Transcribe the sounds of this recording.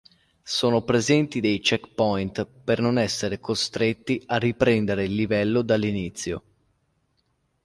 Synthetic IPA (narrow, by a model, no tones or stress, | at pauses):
soːnopɾezɛnt̪id̪ejt͡ʃɛkpɔjnt̪pernonɛsːeɾekost̪ɾet̪ːiarːipɾɛnd̪eɾeilːivɛlːod̪alːinit̪sːjo̰